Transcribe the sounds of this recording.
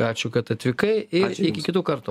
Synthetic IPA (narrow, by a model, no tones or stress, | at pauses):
ɑːt͡ʃʲʊkɐt̪ɐt̪ʲʋʲɪkɐɪɪɪkʲɪkʲɪt̪uːkɐɾt̪u